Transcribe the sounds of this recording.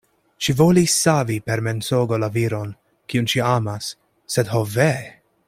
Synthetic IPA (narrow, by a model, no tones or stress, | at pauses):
ʃivolisːavipɛɾmɛnsoːɡolaviɾon | kiunʃiamasː | ɛd̪ɦovɛ